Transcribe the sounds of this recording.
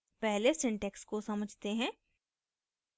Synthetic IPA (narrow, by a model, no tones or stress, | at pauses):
pɛɦlesɪ̃ɳʈɛkskosɐməd͡ʒʱt̪eɦɛ̃ː